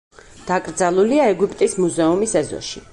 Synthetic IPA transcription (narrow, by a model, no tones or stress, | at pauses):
d̪̥akʼɾd̪zalˠuliaɛɡupʼt̪ʼismuzɛumisɛzɔ̰ʃi